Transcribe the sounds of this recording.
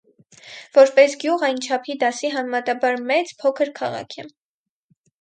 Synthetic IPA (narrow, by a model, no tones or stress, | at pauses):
vɔɾpɛsɡjuʁɑjnt͡ʃʰɑpʰid̪ɑsiɦɑnɛmɑt̪ɑbɑɾmɛt͡spʰɔkʰəɾkʰɑ̰ʁɑ̰kʰɛ